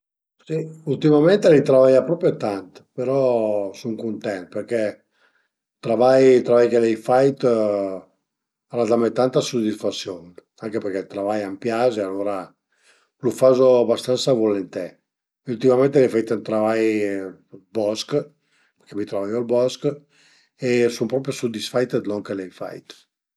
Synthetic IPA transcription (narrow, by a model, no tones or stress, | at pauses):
siult̪imament̪elit̪ɾavajapɾɔpɾjot̪ant̪peɾɔsuŋkunt̪ɛnt̪peɾkɛ | t̪ɾavajt̪ɾavajkelɛjfajt̪ | aɾad̪amajt̪ant̪asud̪isfat̪sːjon | aŋkepeɾkɛt̪ɾavajampjazealoːɾa | lufazoabast̪ansavolent̪ɛ | ult̪imament̪elefajt̪ant̪ɾavaj | bɔsk | pkɛmit̪ɾavajɔalbɔsk | esumpɾɔpɾjosud̪isfajt̪əd̪lɔŋkelɛjfa̰jt̪